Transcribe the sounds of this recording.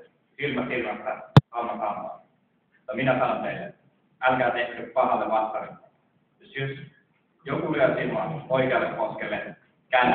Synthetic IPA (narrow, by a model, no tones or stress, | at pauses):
silmɑsirmɑst̪ɑsɑnːɑsɑmːɑ̰ːˑ | t̪ːɑminæsɑnont̪eilːe | ælkæːt̪ehsyppɑhɑlːeʋɑst̪ɑʋetː | josøs | jokulyøsilmɑoikeɑlːekkoskelːe | kænː